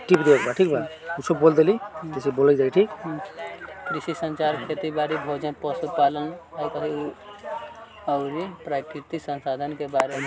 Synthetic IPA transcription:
ʈipd̪ebəkbʱaʈʰik̚bʱakusəbbold̪elit̪eseboləd͡ʒaiʈʰik | kɾisisə̃nt͡ʃaɾkʰet̪ibaɾibʱod͡ʒə̃pəsupalənaikətʰiu | əʊɾipɾakɾit̪iksənsad̪ʱənkebaɾem

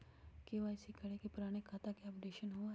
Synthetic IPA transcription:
keʋaːɪsikʰɐɽekepʊɾaːɽ̃ekʰaːt̪akeɐpɖeːʃənɦo

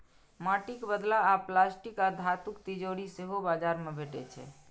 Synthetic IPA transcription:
maʈikbəd̪laːplasʈikad̪ʱat̪ukt̪id͡ʒoɾiseɦobad͡ʒaɾmebʱeʈɛ̰t͡ʃʰɛ̰

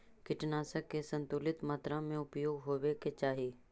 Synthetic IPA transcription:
kɪʈnaːsəkːesə̃nt̪ʊlɪt̪maːt̪ɾãmẽʊpjoːɡɦoːweket͡ʃaːɦiː

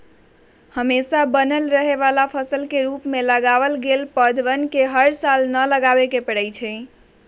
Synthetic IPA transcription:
həmesabənəlɾəɦeʋalapʰəsəlkeɾupmeləɡaʋəlɡelpəd̪ʱʋənkeɦəɾsalnələɡabekepəɽəjt͡ʃʰɛ

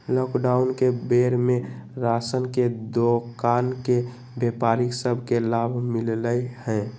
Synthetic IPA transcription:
lɔːkɖaːʊnkebeɾmẽɾaːsənked̪okanke | bepaːɾiksəbʱkelabʱmɪlləhɛ̃ː

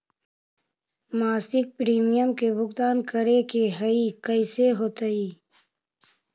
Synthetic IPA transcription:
maːsɪk̚pɾiːmijəmkebʱʊɡt̪aːnkəɾekeɦɐikəɪseɦoːt̪əiː

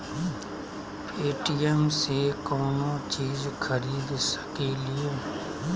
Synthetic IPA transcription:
eːʈiːɛmseːkoːnõːt͡ʃiːzkʰəɾiːd̪sə̥keːlɪeː

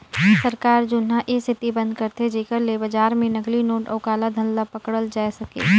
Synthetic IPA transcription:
sɐɾkaːɾd͡ʒʊnɦãʔesʰɪt̪ibɐ̃nd̪̚kɐɾt̪ʰed͡ʒeːkəɾlebɐd͡ʒaːɾmẽnɐklinoːʈɔːkaːlad̪ʱɐ̃nlapɐkɽəld͡ʒaːesɐkḛː

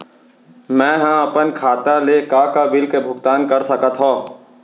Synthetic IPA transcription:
mɛ̃ːɦə̃ɐpənkʰaːt̪alekakabɪlkebʱʊkt̪aːnkɐɾsəkət̪ɦõː

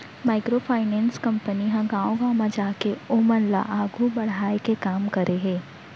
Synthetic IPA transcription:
maːɪkɾopʰaːɪnɛ̃ːnskɐ̃mpəniɦãɡãːõɡãːmãd͡ʒaːkeoːmənla̰ʔaːɡʱubɐɽaːekekaːmkɐɾʔeɦɛ̃ː

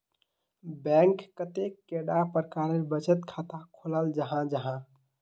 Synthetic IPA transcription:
bɛ̃ŋkːət̪ekːeɽapəɾəkaɾelbət͡ʃət̪kʰat̪akʰoləld͡ʒəɦãd͡ʒəɦã

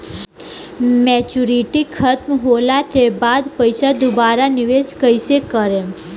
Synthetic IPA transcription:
mɛt͡ʃuɾiʈikʰət̪mɦolaʈ̪ebad̪pəjsad̪ʊbaɾaniʋeskəjsekəɾe

